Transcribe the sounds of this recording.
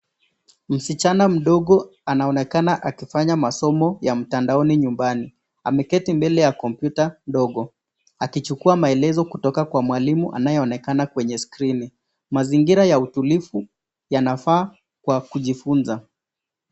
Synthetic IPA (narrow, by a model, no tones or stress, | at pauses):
m̩sit͡ʃanam̩ɗɔɠɔanaɔnɛkanaʔakifaɲamasɔmɔjam̩tandaɔniɲumbani | a̰mɛkɛtimbɛlɛjakɔmpjutanɗɔɠɔ | akit͡ʃukuamaɛlɛzɔkutɔkakwamwalimuʔa̰najɛɔnɛkanakwɛɲɛskɾini | maziŋɡiɾajautulifu | janafaː | kwakuʄifunza